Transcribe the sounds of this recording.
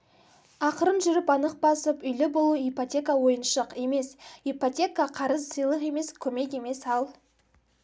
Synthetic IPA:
ɑqəɾənʒʏɾɪpɑnəq̚bɑsəpʏjlɪbo̞lˠuijpotʲe̞kawo̞jənʃəqe̞me̞sipotʲe̞kaqʰɑɾəzsəjlˠəqe̞me̞skʲʰɵme̞ke̞me̞sɑlˠ

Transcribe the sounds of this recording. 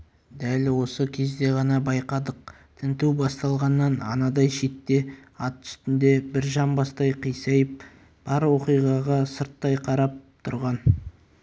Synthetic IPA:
d̪ælwo̞səkʲʰe̞zd̪e̞ʁɑnɑbɑjqɑd̪əq̚ | t̪ʰɪnt̪uwbɑst̪ɑlˠʁɑnːɑnɑ̰nɑd̪ɑjʃe̞t̪ːe̞ɑt̪ʰʏ̥st̪ɪnd̪e̞bɪɾʒɑmbɑst̪ɑjqʰijsɑjəp̚ | b̥ɑɾwo̞qijʁɑʁɑsəɾt̪ːɑjqʰɑɾɑp̚t̪ʰʊɾʁɑn

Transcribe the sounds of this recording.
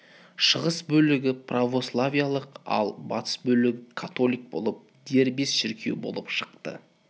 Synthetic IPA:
ʃəʁəsbɵlɪɡʲɪpravo̞slˠavʲijalˠəqɑ̰lˠbɑt̪ʰə̥sbɵlɪɡʲɪkʰat̪o̞lʲijk̚bo̞̰lˠəp̚d̪̥e̞ɾbesʃɪɾkʲʰewbo̞̰lˠəpʃəqt̪ə̰

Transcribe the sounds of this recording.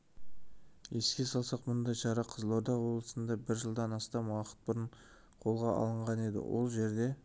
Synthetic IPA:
je̞skʲe̞sɑlˠsɑqmʊnd̪ɑjʃɑɾɑqʰəzlˠoɾd̪ɑwolˠəsənd̪ɑbɪɾʒəlˠd̪ɑnɑst̪ɑmwɑqə̥t̪̚bʊɾəɴ | qʰo̞lˠʁɑɑ̰lˠəɴʁɑne̞d̪ɪ̰wo̞̰lˠʒe̞ɾd̪e̞

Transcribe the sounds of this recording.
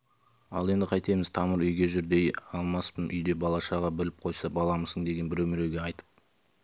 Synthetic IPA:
ɑ̰lˠe̞nd̪ɪqʰɑjt̪e̞mɪz̥t̪ʰɑməɾʏjɡʲe̞ʒʏɾd̪e̞jɑlˠmɑspənʔʏ̰jd̪e̞bɑlˠɑʃɑʁɑbɪlɪp̚qʰo̞jsɑbɑlˠɑməzəɴd̪e̞ɡʲe̞nbɪɾɵmɪɾe̞wɡʲe̞ɑjt̪ə̥p̚

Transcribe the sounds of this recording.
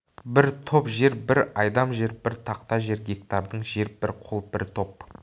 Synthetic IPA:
bɪɾt̪ʰopʒe̞ɾbɪɾɑjd̪ɑmʒe̞ɾbɪɾt̪ʰɑqt̪ɑʒe̞ɾɡʲe̞k̚t̪ɑɾd̪əɴʒe̞ɾbɪɾqʰolˠb̥ɪɾt̪ʰo̞p̚

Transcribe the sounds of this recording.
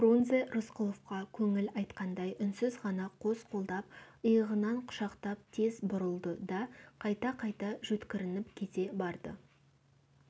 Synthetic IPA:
bronzerʊsqʊlˠofqɑkʲʰɵŋɪlɑjt̪qɑnd̪ɑjʔʏnsɪzʁɑnɑqʰo̞zqʰo̞lˠd̪ɑp̚əjəʁənɑɴqʰʊ̥ʃɑqt̪ɑp̚t̪ʰe̞zbʊɾəlˠd̪əd̪ɑqʰɑjt̪ɑqʰɑjt̪ɑʒɵt̪kʲɪɾɪnɪpkʲʰe̞t̪e̞bɑɾd̪ə̰

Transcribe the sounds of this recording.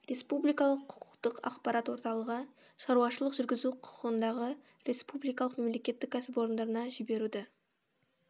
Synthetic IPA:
ɾʲe̞spublijkɑlˠəqʰːʊ̥qʰʊ̥qt̪əqɑ̰qpɑɾɑt̪wo̞ɾt̪ɑlˠəʁə | ʃɑɾuɑʃəlˠəqʒʏɾɡʲɪzuqʰʊ̥qəqənd̪ɑʁə | ɾe̞spublijkɑlˠəqme̞mle̞kʲe̞t̪ːɪkʲʰːæsɪpo̞ɾənd̪ɑɾənɑʒɪbe̞ɾud̪ɪ

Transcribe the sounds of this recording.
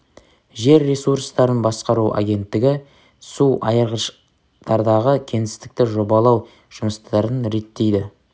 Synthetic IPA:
ʒe̞ɾːesuɾst̪ɑɾənbɑsqɑɾuʔa̰ɡʲe̞nt̪ːɪɡʲɪ | suʔɑjəɾʁəʃ | t̪ʰɑɾd̪ɑʁəkʲʰe̞nɪst̪ɪ̥k̚t̪ɪʒo̞bɑlˠɑw | ʒ̥ʊməst̪ɑɾənɾe̞t̪ːe̞jd̪ɪ

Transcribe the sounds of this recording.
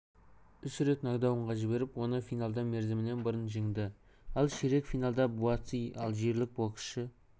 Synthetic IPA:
ʏsʏɾe̞t̪nɑɡd̪ɑwəɴʁɑʒɪbe̞ɾɪpwo̞nəfijnalˠd̪ɑme̞ɾzɪmɪne̞nbəɾənʒiɪŋd̪ɪ | ɑlˠʃeɾe̞kfijnalˠd̪ɑbuɑt̪sijɑlˠʒe̞ɾlɪk̚boqə̥ʃə

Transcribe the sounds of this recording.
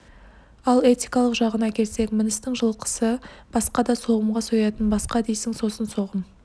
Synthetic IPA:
ɑlˠe̞t̪ijkɑlˠəqʒɑʁənɑkʲʰe̞lse̞kmɪnɪst̪ɪŋʒəlˠqə̥səb̥ɑsqɑd̪ɑso̞ʁəmʁɑsojɑt̪ənbɑsqɑd̪ejsɪŋso̞sənso̞ʁəm

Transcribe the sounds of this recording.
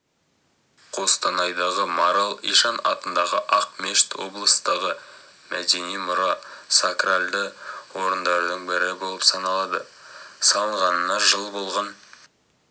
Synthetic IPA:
qʰo̞st̪ɑnɑjd̪ɑʁəmɑɾalˠḭʃɑnɑ̰t̪ənd̪ɑʁəʔɑq̚meʃt̪wo̞̰blˠəsd̪ɑʁə | mæd̪e̞nijmʊɾɑsakralʲd̪əwo̞ɾənd̪ɑɾd̪əɴbɪɾɪbo̞lˠəpsɑnɑlˠɑd̪əsɑlˠəɴʁɑnənɑʒəlˠbo̞lˠʁɑn

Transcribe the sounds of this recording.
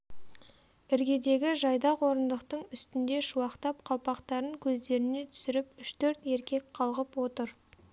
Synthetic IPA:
ɪɾɡʲe̞d̪e̞ɡʲɪʒɑjd̪ɑqwo̞ɾənd̪əqt̪əɴʏst̪ɪnd̪e̞ʃuwɑqt̪ɑp̚qʰɑlˠpɑqt̪ɑɾəŋkʲʰɵzd̪e̞ɾɪne̞t̪ʰʏ̥sɪɾɪpʏʃt̪ʰɵɾt̪e̞ɾkʲe̞k̚ʲqʰɑlˠʁəpwo̞t̪əɾ

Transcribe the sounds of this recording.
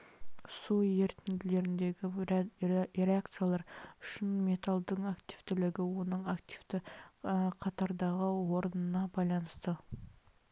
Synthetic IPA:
suje̞ɾt̪ɪnd̪ɪle̞ɾɪnd̪e̞ɡʲɪ | ɾeakt̪sɨjalˠɑɾʊʃɪnme̞t̪alˠd̪əɴakt̪iv̥t̪ɪlɪɡʲɪwo̞nəɴakt̪iv̥t̪ɪ | qʰɑt̪ɑɾd̪ɑʁəwo̞ɾənənɑbɑjlˠɑnəst̪ə

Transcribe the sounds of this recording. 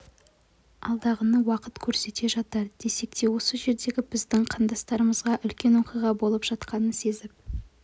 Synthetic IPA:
ɑ̰lˠd̪ɑʁənəwɑqət̪kʲʰɵɾse̞t̪e̞ʒɑt̪ɑɾd̪̥e̞se̞k̚t̪e̞wo̞səʒe̞ɾd̪e̞ɡʲɪbɪzd̪ɪŋqʰɑnd̪ɑst̪ɑɾəməzʁɑʔʏlkʲe̞nwo̞qijʁɑbo̞lˠəpʒ̥ɑt̪qɑnənse̞zɪp̚

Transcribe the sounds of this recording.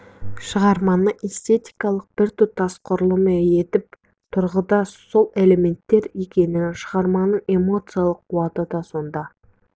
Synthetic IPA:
ʃəʁɑɾmɑnəʔest̪e̞t̪ijkɑlˠəq̚b̥ɪɾt̪ʏp̚t̪ʰːɑsqʰʊɾəlˠəməje̞t̪ɪp̚ | t̪ʰʊɾʁəd̪ɑso̞lˠe̞le̞me̞nt̪ːe̞ɾe̞kʲe̞nɪŋʃəʁɑɾmɑnəɴe̞mo̞t̪sɨjalˠəqʰːuɑt̪əd̪ɑso̞nd̪ɑ

